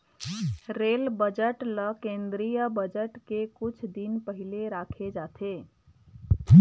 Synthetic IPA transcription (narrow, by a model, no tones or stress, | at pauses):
ɾeːlbəd͡ʒəʈləkẽːnd̪ɾijəbəd͡ʒəʈkekʊt͡ʃʰd̪inpəɦileɾaːkʰed͡ʒat̪ʰe